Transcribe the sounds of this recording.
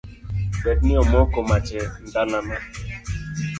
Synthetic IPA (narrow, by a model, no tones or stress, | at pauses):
bɛtniɔmɔkomat͡ʃɛn̩danana